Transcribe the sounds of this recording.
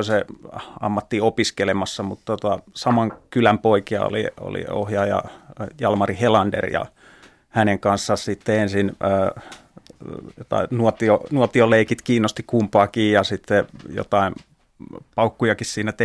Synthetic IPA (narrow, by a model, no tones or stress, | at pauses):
seɑ̰mːɑt̪ːiopiskelemɑsːɑmut̪t̪ot̪ɑsɑmɑŋkylæmpoikiɑ̰o̰lḭo̰lḭo̰hjɑjɑ̰jɑlmɑrihelɑndḛrjɑ̰ | hæneŋkɑnsːɑssit̪ːeensinəː | jot̪ɑ̰inuot̪ionuot̪ioleikit̪kiːnːost̪ikumpɑːkiːjɑsit̪ːejo̰t̪ɑin | pɑukːujɑkissiːnæt̪e